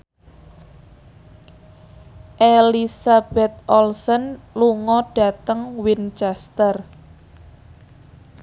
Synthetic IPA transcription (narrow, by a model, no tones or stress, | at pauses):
ʔelisab̥ɛt̪̚ʔɔlsənluŋɔɖ̥a̤t̪əŋwint͡ʃɛst̪ər